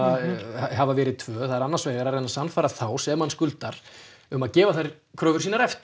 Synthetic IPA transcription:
aɦavavɛːɾɪðt̪ʰvœːθaðɪɾanːansvɛːɣaɾaɾeːnasanfaːɾaθaːwsɛmːanskʏlt̪aɾ̥ | ʏmaðcɛːvaθajɾ̥ | kʰɾœːvʏɾ̥iːnaɾɛft̪

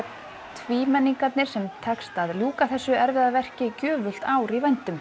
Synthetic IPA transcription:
t̪ʰviːmɛnːiŋkat̪nɪɾ̥sɛmt̪ʰɛkst̪aðljuːkaθɛsːʏɛɾvɪðaðvɛr̥cɪcœːvʏl̥t̪aːwɾivajnt̪ʏm

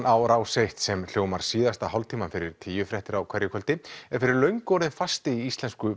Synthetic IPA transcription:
ʔawɾaːwsejht̪sɛml̥joːwmaɾ̥siːðast̪aɦawlt̪ʰiːmanfɪɾɪɾ̥t̪ʰiːjʏfɾɛht̪ɪɾawkʰv̥ɛɾjɪkʰœlt̪ɪɛfɪɾɪɾlœɥŋkɔɾðɪnfast̪ɪiist̪lɛnskʏ

